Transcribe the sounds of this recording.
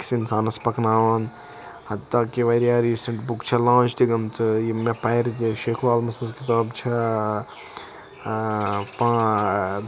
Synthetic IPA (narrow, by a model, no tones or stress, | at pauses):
ksinsaːnɐspɐkʰnaːʋɐn | hɐt̪ːaːkiʋɐɾijaːɾiːsɐɳʈbukt͡ʃʰɐlãːt͡ʃʰd̪iɡɐmt͡sʰɨjimepɐɾt̪̬iʃeːkʰʋaːlmɐsnskit̪aːbt͡ʃʰɐ | pãː